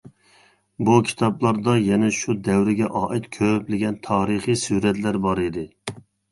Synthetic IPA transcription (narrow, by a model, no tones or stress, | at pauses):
bukʲʰi̥t̪ʰɑblˠɑɾd̪ɑjɛnɛʃud̪ɛwɾɪɡʲɛʔɑːʔɪt̪kʲʰøplɪɡʲɛnt̪ʰɑːɾɨχijsuɾɛt̪læɾbɑɾɪd̪ɪ